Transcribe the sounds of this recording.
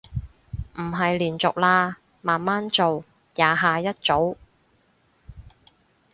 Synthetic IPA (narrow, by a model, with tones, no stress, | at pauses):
m̩˨˩ɦɐ˨jliː˨˩nt͡sʊ̰˨k̚laː˧ | maː˨nmaː˥nt͡so˨w | jaː˨˧ɦaː˨jɐ˥t̚t͡so˨˥w